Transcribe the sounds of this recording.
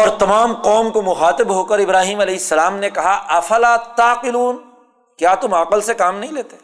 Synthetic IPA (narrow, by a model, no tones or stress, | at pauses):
ɔːɾt̪ɐmaːmqɔːmkomʊxaːt̪ɪbɦoːkɐɾɪbɾaːɦiːmɐlɛːɪsːɐlaːmnekɐɦaʔɐfɐlaːt̪aːqɪluːn | kjaːt̪ʊmaːqəlsekaːmnɐɦĩleːt̪e